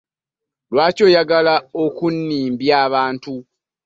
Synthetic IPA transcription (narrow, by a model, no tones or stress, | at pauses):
lwaːco̞jaɡalaokunːiːmbjaːβaːntu